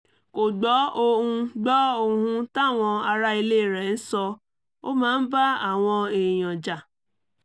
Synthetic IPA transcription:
ko˨ɡ͡bɔ˨˦o˧ũ˧ɡ͡bɔ˦o˧hũ˧ta˦˨w̃ɔ̃˧a˧ɾa˦i˧le˦˨ɾɛ˨n̩˦sɔ˧ | o̰˦mãː˨˦n̩˦ba˦a˦˨w̃ɔ̃˧e˨j̃ɔ̃˨d͡ʒa˨

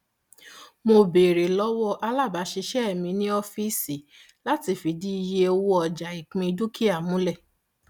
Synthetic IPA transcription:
mo˧be˨ɾe˨lɔ˦wɔ˦ʔa˧la˦˨ba˨˦ʃi˧ʃɛ˦ɛ˦˨mĩ˧nĩ˦ɔ˧fi˦si˨ | la˦ti˧˦fi˨di˦i˧je˧o˧wo˦ɔ˨d͡ʒa˨i˨k͡pĩ˧i˧du˦ki˦a˦˨mũ˨˦lɛ˦˨

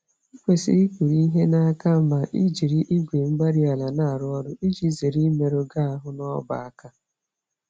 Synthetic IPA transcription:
i˦kʷe˨sḭ˦i˦kʷi˨ɾi˦i˦ɦe˦na˦a˦ka˦m̩˦ma˨ʔi˦d͡ʒi˨ɾi˦ʔi˦ɡʷe˨m̩˦ɡ͡ba˦ɾi˦a˨la˨na˦a˨ɾʊ˦ɔ˦dʊ˦i˦d͡ʒi˨˦ze˨ɾi˦me˨ɾo˦ɡa˦a˦ɦʊ˦nɔ˦ba̰˨a˦ka˦

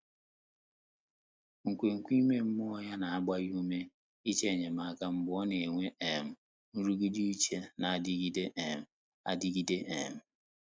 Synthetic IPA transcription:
ŋ̩˨kʷe˨ŋ̩˨kʷi˦me˦m̩˦m˦ɔ˦ja˦na˨a˦ɡ͡ba˦ju˦me˦ | i˦t͡ʃe˦˨ɲe˨ma˨a˨ka˦m̩˦ɡ͡bɔ˦ne˨e˨ŋʷe˦e˨m̩˨ | n̩˦ɾu˦ɡi˦di˦i˦t͡ʃe˦na˨a˨di˦ɡi˦de˦ʔe˨m̩˨ | a̰˦di˦ɡi˦de˦ʔe˨m̩˨

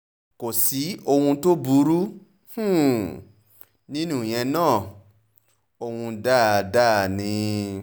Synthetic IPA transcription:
ko˨si˨˦o˧hũ˧to˦bu˨˦ɾu˦ | h̩˦˨ | nĩ˦nũ˦˨j̃ɛ̃˧nãː˦˨ | o˧hũ˧da˦˨da˦˨nĩ˧

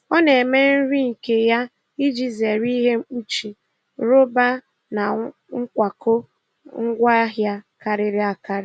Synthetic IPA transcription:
ɔ˦ne˨me˦n̩˦ɾi˦ŋ̩˨ke˨ja˦ | i˦d͡ʒi˨ze˨ɾi˦ɦe˦k͡pu˦t͡ʃi˨ | ɾo˦ba˦ | na˨ | ŋ̩˦kʷa˨kʰʊ˦ | ŋ̩˦ɡʷa˦ɦja˦ka˨ɾɪ˨ɾɪ˦a˨ka˨ɾɪ˨

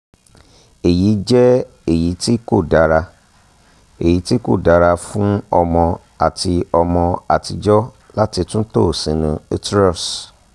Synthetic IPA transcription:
e˨ji˨˦d͡ʒɛ˦ | e˦˨ji˨˦ti˦ko˦˨da˨ɾa˧ | e˨ji˨˦ti˦ko̰˦˨da˨˧ɾa˧fũ˦ɔ˧mɔ̃˧ | a˨ti˧ɔ˧mɔ̃˧a˨ti˧d͡ʒɔ˦ | la˦ti˧tũ˦to˦˨sĩ˨˦nũ˧e˦tɾɔ˦˨s

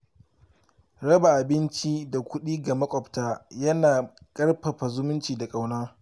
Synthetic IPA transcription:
ɽɐ˦ba˨ʔa˨bɪ˦nt͡ʃi˦da˨kʷʊ˦ɗiː˦ɡa˨mɐ˦kʷʼɔ˨ptaː˦jɐ˦naː˨kʼɐ˦rɸɐ˨ɸa˨zʊ˦mʊ˦nt͡ʃiː˨da˨kʼa˦wnaː˦

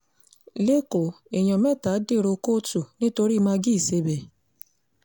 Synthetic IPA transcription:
le˦ko˨ | e˨j̃ɔ̃˨mɛ˦˨ta˨˦de˦˨ɾo˧ko˦tu˦˨nĩ˦to˧ɾi˦mã˧ɡi˦i˨se˧bɛ˨

